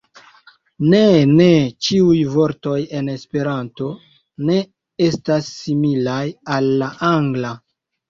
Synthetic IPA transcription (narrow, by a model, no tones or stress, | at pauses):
ne̞ne̞t͡ʃiujvo̞ɾto̞je̞ne̞spe̞ɾanto̞ | ne̞ | e̞stasːimilajalːaʔaŋɡla